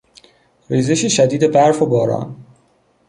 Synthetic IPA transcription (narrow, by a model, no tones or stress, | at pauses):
riːze̞ʃeʃæd̪iːd̪ebæɾfobɒːɾɒ̰ːn